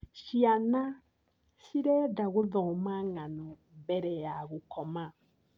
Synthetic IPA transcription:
ʃiana | ʃiɾɛdaɣoðɔmaŋanɔ | bɛɾɛjaɣokɔma

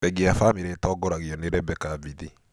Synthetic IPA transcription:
ɛɡeafamiɾetɔɡɔɾaɣiɔneɾɛbɛkaviði

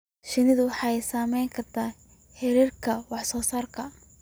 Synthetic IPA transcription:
ʃɪnɪðʊwɑħɑjjsaːmɛjŋkʰɐrt̪ʰaː | ħɛɾiːrkʰɐwɑħsɔːsaːrkʰɐ

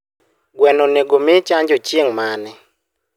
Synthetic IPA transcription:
ɡwɛnoneɡomɪt͡ʃaɲd͡ʒot͡ʃjeŋmanɛ

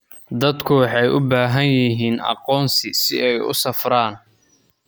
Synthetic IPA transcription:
d̪ɐd̪kʰʊwɑħɑjʔʊbaːɦɐnjɪɦiːnʔɑ̰qɔːnsɪsɪɛjʊ̰sɐfraːn

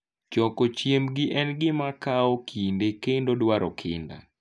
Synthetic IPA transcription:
t͡ʃɔkot͡ʃjemɡɪʔɛnɡɪmakaɔkʰindekendodwaɾɔkʰɪ̰nda̰

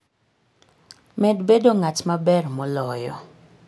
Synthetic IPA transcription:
mɛdbedoŋat͡ʃmabɛrmɔlɔjɔ

